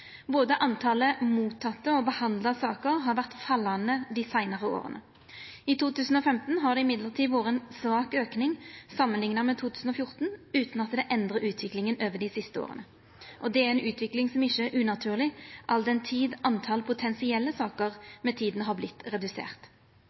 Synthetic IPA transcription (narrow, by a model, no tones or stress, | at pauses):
boːd̪əʔɑnt̪ʰɑləmuːt̪ʰːɑt̪ːəɔbəhɑnd̪lɑsɑːkəɾɦɑɾʋæʁt̪fɑlːɑnəd̪ɪsæɪnɑʁəo̰ːʁə̰nʔə̰ | ɪt̪ʰuːt̪ʉːsn̩ɔfɛmt̪n̩ɦɑʁɖ̪ɛɪmɪd̪ləʁt̪ʰiːd̪ʋoːʁəɛnsʋɑːkøːknɪŋsɑmːənlɪŋnɑmɛt̪ʰuːt̪ʰʉːsn̩ɔfjʊʁt̪n̩ʉːt̪nɑt̪d̪ɛʔɛnd̪ʁəʔʉːt̪ʰʋɪklɪŋənøːʋəɖ̪ɪsɪst̪əo̰ːʁə̰nə | ʔɔd̪ɛæɛnʉːt̪ʰʋɪklɪŋsɔmɪçəæʔʉːnɑt̪ʰʉːʁlɪʔɑld̪ɛnt̪ʰiːd̪ʔɑnt̪ʰɑlpʰʊt̪ʰɛnsɪɛlːəsɑːkəʁmɛt̪ʰiːd̪nɦɑblɪt̪ːʁɛd̪ʉsḛːʁt̪